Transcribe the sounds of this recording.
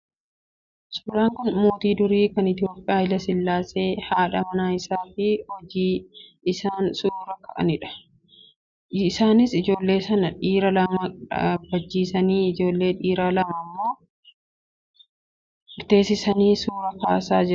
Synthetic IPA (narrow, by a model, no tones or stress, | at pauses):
sʊːɾaːŋkʊnmoːt̪iːd̪ʊɾiːkɐnɪt̪ɪjo̞ːpʼːɪjaːjɪlɐsɪlːaːse̞ːhaːᶑɐmɐnaːɪsaːfɪhɔd͡ʒiː | ɪsaːnsuːɾɐkɐʔɐ̰nɪᶑɐ̥ | saːnɪsɪd͡ʒo̞ːlːe̞ːsɐnɐᶑiːɾɐlɐmɐᶑɐ̰bɐd͡ʒːiːsɐniːɪd͡ʒo̞ːlːe̞ːᶑiːɾaːlɐmɐmːo̞ː | ɪɾt̪e̞ːsɪsɐniːsuːɾɐkaːsaːd͡ʒɪɾɐ